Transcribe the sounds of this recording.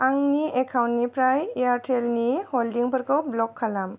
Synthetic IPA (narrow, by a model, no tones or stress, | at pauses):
aŋniɛkʰawntnipɾajeaɾʈʰɛlnihɔldiŋpəɾkɔwblɔkʰːalam